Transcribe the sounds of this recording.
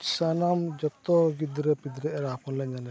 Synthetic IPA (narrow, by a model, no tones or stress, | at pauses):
sanamd͡ʒɔt̪ɔɡid̪ɾɛpid̪ɾɛɛɾapʰɔnlaɲanɛ